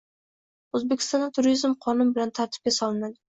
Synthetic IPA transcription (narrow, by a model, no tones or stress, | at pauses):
ɵzbekʲɪ̥st̪ɒnat̪ʰʊɾizmqʰɒnʊnbɪlant̪ʰaɾt̪ʰɪ̥p̚ʲasɒlɪnad̪ɪ